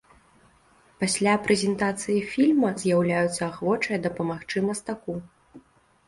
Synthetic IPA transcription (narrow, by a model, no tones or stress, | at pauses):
pasʲlʲapɾɛzʲɛnt̪at̪sɨjifʲilʲmɐzʲjawlʲajut̪sːɐaxvɔt͡ʂɐjɐd̪ɐpɐmaxt͡ʂɨmɐst̪aku